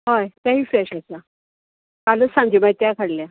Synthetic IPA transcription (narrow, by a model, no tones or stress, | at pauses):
ɦajt̪aɦiːfɾɛɕat͡sa | kalət͡ssãŋɡd͡ʑimait̪jakʰaɽlja